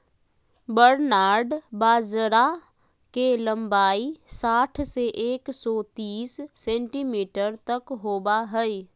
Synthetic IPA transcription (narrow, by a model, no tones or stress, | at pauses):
bəɾnaːɾɖbaːd͡ʒɾa | kelə̃mbaːisaːʈʰseʔeːksɔːt̪iːsːẽːɳʈimiːʈəɾt̪ɐkɦoːbaɦɛi